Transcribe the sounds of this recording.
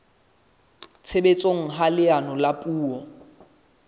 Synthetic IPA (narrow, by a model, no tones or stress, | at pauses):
t͡sʰebet͡sʼoŋ̩ɦalɪanɔlapʼuːɔ